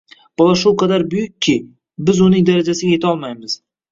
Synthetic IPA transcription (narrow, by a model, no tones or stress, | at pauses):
b̥ɒlˠaʃʊqʰɑd̪aɾbʊjʊkʲʰːɪ | bɪzʊnɪŋd̪aɾad͡ʒasɪɡʲaje̞t̪ʰɒlˠmajmɪz̥